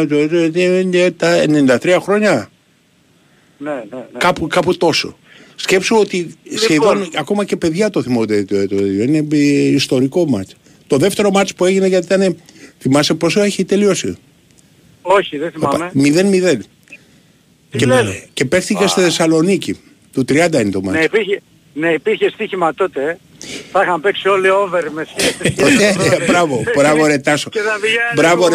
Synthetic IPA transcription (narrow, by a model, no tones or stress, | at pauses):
t̪oet̪oet̪iet̪ɐḛnenind̪ɐt̪ɾiɐxɾo̞ɲɐ | kɐpukɐput̪o̞so̞̰ | sce̞psuot̪isçeðo̞nɐko̞mɐce̞pe̞ðʝɐt̪oθimot̪et̪ot̪ot̪et̪joine̞ist̪o̞ɾiko̞mɐ̰t͡ʃ | t̪o̞ðe̞ft̪e̞ɾo̞mɐt͡ʃpue̞ʝineʝɐt̪it̪ɐne̞θimɐse̞po̞soeçit̪e̞lio̞sḭ | oçiðeθimɐpmemiðe̞nmiðe̞n | cece̞pe̞xθicest̪iθe̞sɐlo̞nici | t̪ut̪ɾiɐnd̪ɐinet̪o̞mɐeipie | neipiɾçest̪içimɐt̪ot̪e | θɐixɐmpeksio̞lioveɾmeseft̪t̪ot̪ebɾɐvo̞bɾɐvoɾet̪ɐsobɾɐvo